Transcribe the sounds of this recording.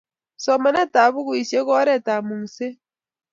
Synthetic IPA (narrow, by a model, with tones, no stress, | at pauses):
sɔ˨ma˨na˦ta˨βu˦ɣu˨i˨sjɔ˦ɣɔ˦ɾɛ˦˨ta˨mu˨ŋ̩˨se˦